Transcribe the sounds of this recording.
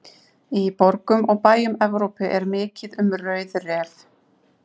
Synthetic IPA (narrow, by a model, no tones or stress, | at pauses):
ipɔɾkʏmʔɔɣpaːjʏmɛvɾowpɪʔɛɾmɪːcɪðʏmrœɥðrɛːv